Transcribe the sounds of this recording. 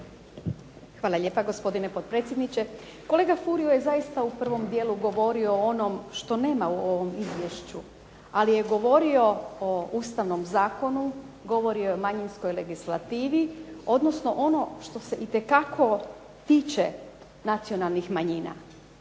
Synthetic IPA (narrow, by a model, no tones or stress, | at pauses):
xʋaːlˠaʎe̞ːpaɡo̞spo̞d̪inepo̞d̪̚pɾe̞t̪sʲjed̪nit͡ɕe | ko̞le̞ːɡafuɾioje̞zaist̪aupr̩ʋo̞md̪je̞ːluɡo̞ʋo̞ɾioonomʃt̪o̞ne̞ːmauo̞ʋo̞mizʋje̞ʃt͡ɕu | alije̞ɡo̞ʋo̞ɾio̞ouːst̪aʋno̞mzaːko̞nu | ɡo̞ʋo̞ɾiojemaɲinsko̞jle̞ɡislˠat̪iːʋio̞d̪no̞sno̞ʔo̞no̞ʃt̪o̞se̞ʔit̪e̞kakʰo̞ | t̪iːt͡ʃe | nat̪sio̞nalˠnixmaɲiːna̰